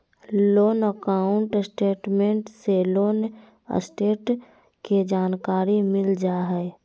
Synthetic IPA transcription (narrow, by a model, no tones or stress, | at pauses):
loːnəkaːʊ̃ɳʈsʈeːʈmẽːɳʈseloːn | ə̰sʈeːʈ | kid͡ʒaːnkaːɾimɪld͡ʒaɦɛ